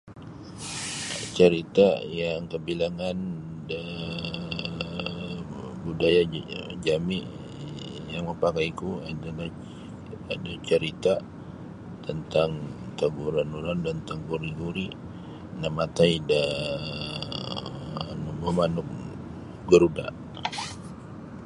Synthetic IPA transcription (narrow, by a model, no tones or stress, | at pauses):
t͡ʃəɾit̪ajaŋkəbilaŋanda | budajad͡ʒamiʔ | jaŋməpakajikuadala | adat͡ʃəɾit̪a | t̪ənt̪aŋt̪aɡuɾanuɾandant̪aɡuɾiɡuɾi | namat̪aida | anuməmanʊk̚ | ɡəɾuda̰